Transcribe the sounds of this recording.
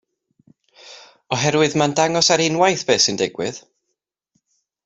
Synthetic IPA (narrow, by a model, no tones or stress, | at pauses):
ɔɦɛɾwɨðmandaŋɔsaɾɪnwajθb̥eːsɨndɛɡwɨð